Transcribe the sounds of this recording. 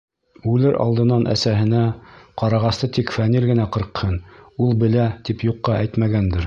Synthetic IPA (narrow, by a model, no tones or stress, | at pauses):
ʉlɘɾʔɑ̰lˠd̪ɤ̆nɑnʔæ̰sæɦɘ̆næqɑɾɑʁɑst̪ɤt̪ikfænilɡɘ̆næqɤ̆ɾqhɤnulˠbɘ̆læt̪ipjuqːɑʔæjt̪mæɡænd̪ɘɾ